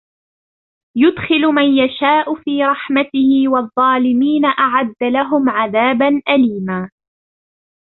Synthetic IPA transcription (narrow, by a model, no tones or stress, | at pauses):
jʊd̪xɪlmanjaʃaːʔʊfiːɾˤɑħmat̪ɪhɪwɑðˤːɑːlɪmiːnaʔaʕad̪ːalaɦʊmʕaðaːbanʔaliːmaː